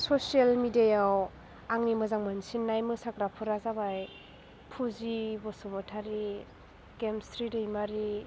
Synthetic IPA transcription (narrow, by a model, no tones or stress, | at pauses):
sosialmidiajaw | aŋnimɯzaŋmansinːajmɯsakɾapʰuɾazabaj | pʰuzibɔsumɔtʰaɾi | ɡemstɾidɯjmaɾi